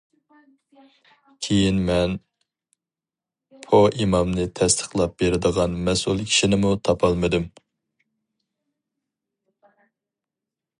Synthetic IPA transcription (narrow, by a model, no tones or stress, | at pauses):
kʲʰejinmɛn | pʰoʔimɑmnɨt̪ʰɛst̪ʰə̥χlˠɑp̚beɾɪd̪əʁɑnmɛsulˠkʲʰi̥ʃinɪmut̪ʰɑpʰɑlˠmɨd̪ɨm